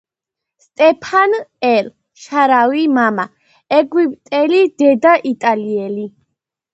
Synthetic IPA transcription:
st̪ʼɛpʰanɛl | ʃaɾawimama | ɛɡwipʼt̪ʼɛlid̪̥ɛd̪aʔit̪ʼaliɛli

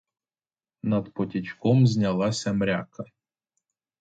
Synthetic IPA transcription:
nɐd̪pɔtʲit͡ʃkɔmzʲnʲɐlˠɑsʲɐmɾʲa̰kɐ

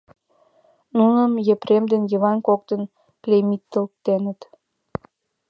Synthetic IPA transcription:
nunəmjĕpɾemd̪enjə̆βɑnkok̚t̪ə̆n | klʲemit̪ːə̆lk̚t̪enə̆t̪

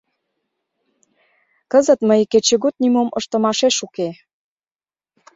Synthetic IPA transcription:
kəzə̆t̪məjket͡ɕĕɣot̪̚nimoməʃt̪ə̆mɑʃeʃuke

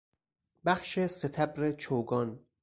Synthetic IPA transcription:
bæxʃeset̪ʰæbɾet͡ʃʰoːɡɒːn

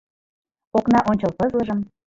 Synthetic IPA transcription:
oknɑʔonʲt͡ɕəlpɤzləʒəm

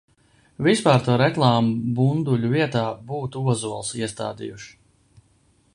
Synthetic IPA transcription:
vispaːɾt̪uɔɾɛklˠaːmubund̪uʎʲuviɛt̪aːbuːt̪uuɔzuɔlˠsiɛst̪a̰ːd̪ḭjuʃ

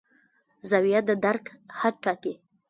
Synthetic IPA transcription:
zawijat̪̚d̪əd̪aɾkhad̪̚ʈɑki

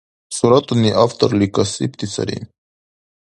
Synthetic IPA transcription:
suɾat̪uniʔaft̪ə̰ɾlikasip̚t̪it͡sa̰ɾḭn

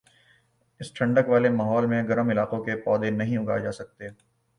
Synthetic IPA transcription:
ɪsʈʰɐ̃ɳɖəkʋaːlemaːɦɔːlmẽɡɐɾəmɪlaːqõkepɔːd̪enɐɦĩʊɡa̰d͡ʒaːsɐk̚t̪eː

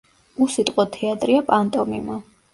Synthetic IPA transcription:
usit̪ʼqʼɔt̪ʰɛat̪ʼɾiapʼant̪ʼɔmima

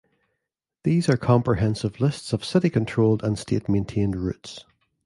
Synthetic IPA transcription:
ðiːzə˞kʰɔ̃mpʰɹ̥ɪɦɛ̃nsɪvlˠɪstsəv̥sɪʔikʰə̃ntʰɹ̥olˠdə̃nstʰḛʔmẽntʰẽndɹʉ̰ts

